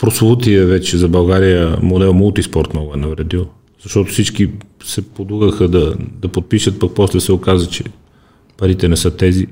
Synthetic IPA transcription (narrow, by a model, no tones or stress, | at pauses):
pɾosut̪iəvɛt͡ʃɛzɐbɐlˠɡaɾijəmod̪ɛlˠmulˠt̪ispɔɾt̪mɔɡʊɛnɐvɾɛd̪ilˠ | z̥ɐʃt̪ɔt̪ʊfsit͡ʃkisɛpod̪uɣəxəd̪ɐd̪ɐpot̪̚piʃət̪̚pɐk̚pɔslɛsɛokazət͡ʃɛ | pɐɾit̪ɛnɛsɤt̪ɛzi